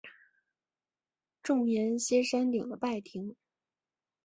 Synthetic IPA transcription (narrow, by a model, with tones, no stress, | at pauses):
ʈ͡ʂʊ˥˩ŋmjɛ˧˥nɕjɛ˥ʂa˥nt̪i˨˩d̪ə˦pa˥˩ɪt̪ʰi˧˥ŋ